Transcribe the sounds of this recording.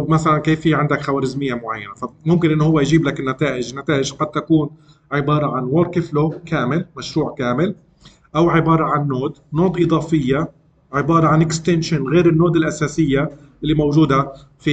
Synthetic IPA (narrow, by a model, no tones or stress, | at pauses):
masalankeːfiːʕɪnd̪akxawaːɾɪzmɪjːamʊʕajːanafamʊmkɪnʔɪnːʊhʊwːajʒiːblakɪnːat̪aːʔɪʒnːat̪aːʔɪʒqɑd̪̚t̪akuːn | ʕɪbɑːɾˤɑʕanwoːɾkɪflokaːmɪlmaʃɾuːʕkaːmɪl | ʔawʕɪbɑːɾˤɑʕanːoːd̪noːd̪ʔɨd̪ˤɑːfɪjːa | ʕɪbɑːɾˤɑʕanʔɪkst̪enʃanɣeːɾɪnːoːd̪ɪlʔasaːsɪjːa | ʔɪlːimawʒuːd̪a | fi